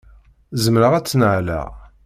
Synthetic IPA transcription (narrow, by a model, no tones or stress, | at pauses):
zəmɾəʁæt͡sːnəʕlæ̰ʁ